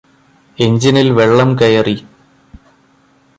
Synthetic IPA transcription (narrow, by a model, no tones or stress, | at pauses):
e̞ɲd͡ʑinilʋe̞ɭːɐmkɐjɐri